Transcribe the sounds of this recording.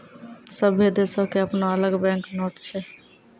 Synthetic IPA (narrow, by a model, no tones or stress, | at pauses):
səbʱed̪esokeəpnoələɡbɛ̃ŋknoʈt͡ʃʰɛ